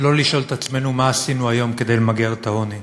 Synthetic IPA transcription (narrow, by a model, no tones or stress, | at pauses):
lo̞liʃo̞lt̪at͡sme̞numaːsinuajo̞mke̞d̪e̞jlmaɡiaʁt̪ao̞ni